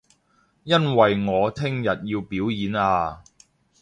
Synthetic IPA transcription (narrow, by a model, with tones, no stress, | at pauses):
jɐ˥nwɐ˨jŋɔː˨˧t̪ʰɪ˥ŋjɐ˨t̚jiː˧wpiː˨˥wjiː˨˥naː˧